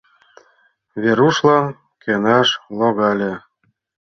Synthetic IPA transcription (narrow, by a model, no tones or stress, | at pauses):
βeɾuʃlɑn | kenɑʃloɣɑlʲe